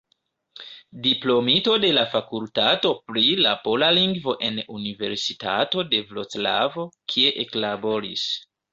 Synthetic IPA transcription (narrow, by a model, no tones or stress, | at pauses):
diplo̞mito̞de̞lafakultato̞pɾila̰po̞laliŋɡvo̞ʔe̞nunive̞ɾsita̰to̞de̞vlot͡sla̰vo̞kʰie̞ʔeklabo̞ɾḭs